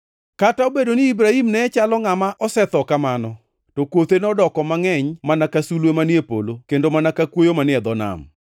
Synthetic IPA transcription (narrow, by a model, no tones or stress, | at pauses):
kataobedonɪːbɾahimnɛɛt͡ʃalɔŋamaʔɔsɛt̪ɔkamanɔ | tokwot̪enɔdɔkɔmaŋɛɲmanakasulwemanjepo̰lokendomanakakwojomanɪɛd̪ɔna̰m